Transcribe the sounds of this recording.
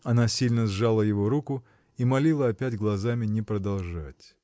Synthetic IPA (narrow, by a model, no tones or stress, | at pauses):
ɐnasʲilʲnəzʐalˠəjɪvoɾukʊ | imɐlʲilˠəɐpʲætʲɡlˠɐzamʲɪnʲɪpɾəd̪ɐlˠʐa̰tʲ